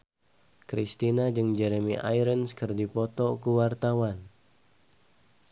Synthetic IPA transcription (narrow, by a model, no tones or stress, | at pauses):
kɾist̪inad͡ʒɨŋd͡ʒɛɾemiʔa̰jɾənskɨrdipɔt̪ɔkuwart̪awan